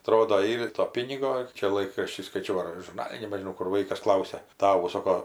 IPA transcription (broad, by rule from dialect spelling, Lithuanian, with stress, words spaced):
ɐˈtroːdoː ˈiːr ɪr toː ˈpʲiːnʲɪɡoː ˈt͡ʃʲɛ ˈlˠɐɪkrɐʃʲtʲiː skɐɪˈt͡ʃʲɛʊ ɐr ʒʊrˈnɑːlʲɪ nʲɛbʲɛʒʲɪˈnɐʊ ˈkʊr ˈʋɐɪkɐs ˈklˠɐʊsʲɛ ˈtɑːʋʊ ˈsoːkoː